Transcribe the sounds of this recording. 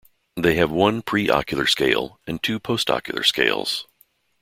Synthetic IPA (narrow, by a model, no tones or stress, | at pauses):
ðeɪɨvwʌ̃npʰɹ̥iʔɑ̰kjl̩ˠə̰˞skeɪlˠɨ̃ntʰʉpʰoʊstɑ̰kjl̩ˠə̰˞skḛɪlˠz̥